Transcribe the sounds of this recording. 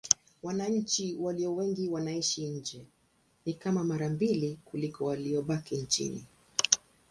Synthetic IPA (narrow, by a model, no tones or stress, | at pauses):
wanaɲ̩t͡ʃiwaliɔwɛŋɡiwanaiʃiɲ̩d͡ʒɛ | nikamamaɾambilikulikɔwaliɔɓakint͡ʃḭnḭ